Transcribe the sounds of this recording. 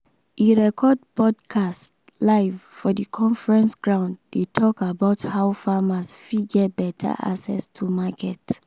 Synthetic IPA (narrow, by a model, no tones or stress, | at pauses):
ʔiɹɛkʰɔd̚pɔdkʰast | laɪvfɔdikʰɔ̃nfɹɛ̃nsɡɹãʊ̃ndːetʰɔkabaʊthaʊfamasfiɡɛt̚bɛtʰa̰ʔa̰ksɛ̰stʰumakɛt